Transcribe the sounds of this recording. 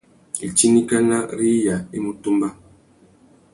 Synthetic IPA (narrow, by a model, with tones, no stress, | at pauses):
i˨t͡ʃi˦ni˦ka˦na˦ɾi˦ja˨i˦mu˨tu˦mba˦